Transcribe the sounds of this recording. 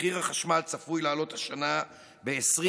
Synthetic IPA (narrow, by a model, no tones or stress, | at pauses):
iʁaχaʃmalt͡safujlaːlo̞t̪haʃana | be̞esʁi